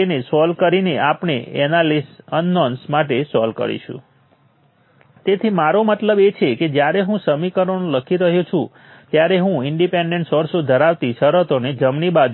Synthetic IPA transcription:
enesɔlkəɾineʔapɳḛɛ̰nalisənːɔnsmaʈ̬esɔlkə̰ɾḭʃṵ̃ | t̪et̪ʰimaɾomət̪ləbet͡ʃʰeked͡ʒjaɾeɦũsəmikəɾonũləkʰiɾəɦjũt͡ʃʰũ | t̪jaɾeɦũɪɳɖipẽɳɖeɳʈsɔɾsod̪ʱəɾaʋt̪iʃəɾət̪oned͡ʒəmnibad̪

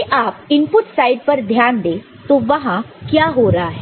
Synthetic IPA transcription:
eʔap̚inpuʈsaiɖ̚pəɾd̪ʱjand̪e | t̪oʋaɦãkjaɦoɾaɦe

